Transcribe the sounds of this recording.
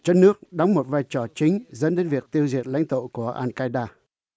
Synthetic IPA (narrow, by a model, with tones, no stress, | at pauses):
t͡ɕɔ˧nnɨ˦˥ək̚ɗa˨˦ŋ͡mmo˨˩t̚vaː˧jt͡ɕɔ˧˩t͡ɕï˨˦ŋ̟zə̰˧˥nɗe˨˦nvi˨˩ək̚t̪i˧əwzḭ˨˩ət̚la̰˧˥jŋ̟t̪o̰˧˨ku˧˩əʔaː˧nkaː˧jɗaː˧